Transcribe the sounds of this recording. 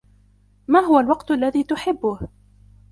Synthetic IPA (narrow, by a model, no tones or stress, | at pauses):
maːɦʊwalwɑqt̪ʊʔalːaðiːt̪ʊħɪbːʊh